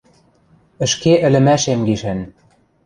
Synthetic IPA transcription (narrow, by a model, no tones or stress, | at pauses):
ə̆ʃkeʔɘ̆lɘ̆mæʃemɡiʃɘn